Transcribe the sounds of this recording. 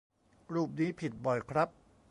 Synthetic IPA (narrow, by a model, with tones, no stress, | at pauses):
ɾuː˥˩p̚niː˦˥pʰi˨˩t̪̚bɔ˨˩jkʰɾa˦˥p̚